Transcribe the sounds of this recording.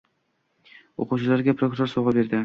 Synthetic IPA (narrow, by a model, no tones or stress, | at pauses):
o̰quwt͡ʃɪlaɾɡʲapʰɾo̞kɾoɾsoʁɑbe̞ɾd̪ɪ